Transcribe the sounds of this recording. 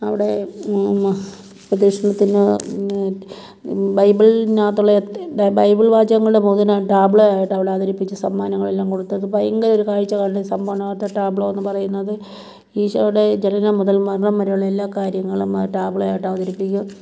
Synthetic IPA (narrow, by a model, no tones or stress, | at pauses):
ɐ̰ʋiɽe̞ | prɐd̪iʂɐɳɐt̪ːinɨ | bɐjbiɭnaːt̪ːuɭːɐbɐjbiɭbaːd͡ʑɐʋɐŋːɐɭɨɽemuːðɐnaʈaːbɭojaːjiʈːɐʋiɽeaːðɐɾipːit͡ɕːɨsɐmːaːnɐŋːɐɭelːaːmko̞ɽut̪ːɐðɨpɐjiŋɡɐɾo̞ɾukaːɻit͡ɕːɐkaːɳɖesɐmbʱɐʋɐɳɐaːt̪ːɐʈraːbɭoːenːɨpɐrɐjunːɐðɨ | iːʂɐ̰ʋiɽe̞d͡ʑenɐnɐmuðɐlmɐɾɐɳɐmːɐɾejuɭːɐe̞lːaːkaːɾjɐŋːɐɭumʈaːbɭojaːjiʈːɐʋɐðɐɾipːikʲːu